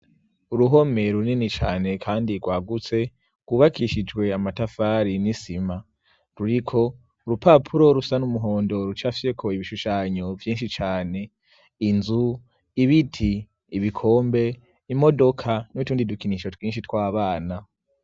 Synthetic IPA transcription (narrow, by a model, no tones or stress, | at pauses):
uɾuɦo̞me̞ɾuninit͡ʃaːne̞kʰaːndiɡwaːɡut͡se̞ | ɡwuːβakiʃid͡ʒwe̞amatafaːɾinisima | ɾuɾikʰo̞ | uɾupapʰuɾo̞ɾusanumuɦo̞ːndo̞ɾut͡ʃafi̥sekʰo̞iβiʃuʃaːɲovjiːnʃit͡ʃaːne̞ | inzu | iβitʰiː | βikʰo̞ːmbe̞ | imo̞do̞kʰanutuːndidukiniʃo̞twiːnʃ̬itwaːβaːna